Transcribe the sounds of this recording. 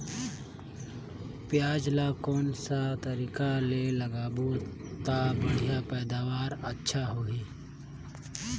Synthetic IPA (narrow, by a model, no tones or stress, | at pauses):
pjaːd͡ʒlakɔːnsat̪əɾiːkaleləɡaːbo | t̪abəɽʱjapɛːd̪aːʋaːɾətːʃʰaɦoːɡiː